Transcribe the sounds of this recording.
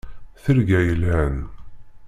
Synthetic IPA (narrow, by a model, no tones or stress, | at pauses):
θəɾɡæjəlæn